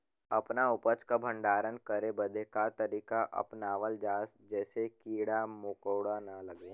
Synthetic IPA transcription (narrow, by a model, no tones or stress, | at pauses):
ɐpnaʊpət͡ʃkabʱə̃ɳɖaːɾənkəɾebəd̪ʱekat̪əɾiːkaʔɐ̰pnaːʋəld͡ʒaːsd͡ʒɛːsekiːɽamʊkəːɽanɐlɐɡeː